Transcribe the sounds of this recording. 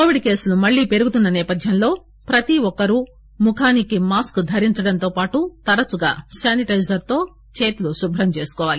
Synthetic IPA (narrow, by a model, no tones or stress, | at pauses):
koːʋiɖke̞ːsulumɐɭːiːpe̞ɾuɡut̪unːɐnɛːpɐd̪ʱjɐmlo̞ː | pɾɐt̪iɔkɐɾu | mukʰaːnikimaːskd̪ʱɐɾiɲt͡ʃɐɽɐnt̪o̞ːpaːʈut̪ɐɾɐt͡ʃuɡa̰ːsaːniʈɐjzɐɾt̪o̞ː | t͡ʃe̞ːt̪ulusubʱɐɾɐmt͡ʃe̞ːsu̥kɔːʋaːli